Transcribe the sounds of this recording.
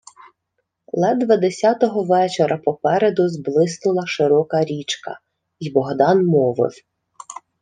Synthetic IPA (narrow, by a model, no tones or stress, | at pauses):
lˠɛd̪ʋɐd̪esʲat̪ɔɦɔʋɛt͡ʃeɾɐpɔpɛɾed̪ʊzblˠɪsnʊlˠɐʃɪɾɔkɐɾʲit͡ʃkɐ̰ | ibɔɦd̪ɑnmɔʋɔ̰lʲ